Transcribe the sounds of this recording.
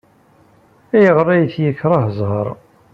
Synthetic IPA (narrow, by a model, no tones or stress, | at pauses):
æjəʁɾˤːæjəθjəkːɾˤɑhəzˤhəɾˤ